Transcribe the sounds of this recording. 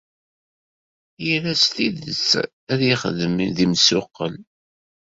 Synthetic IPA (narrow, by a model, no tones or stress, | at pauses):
jəlæst̪iðə̰t͡sː | æðjɪχəðəmðimsʊqːə̰l